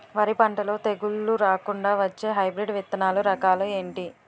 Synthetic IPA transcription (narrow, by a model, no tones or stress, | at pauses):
ʋɐɾipɐɳʈɐlo̞ːt̪eɡuɭːuɾaːkuɳɖaːʋɐt͡ʃːeːɦɐjbɾiɖʋit̪ːɐnaːluɾɐkaːlue̞ːɳʈi